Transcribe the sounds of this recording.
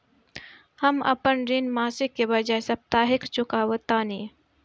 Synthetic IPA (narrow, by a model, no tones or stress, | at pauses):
hɐmɐ̰pənɾinmaːsɪkːebɐd͡ʒaːesɐb̚t̪aːɦɪkt͡ʃʊkaːwət̪aːni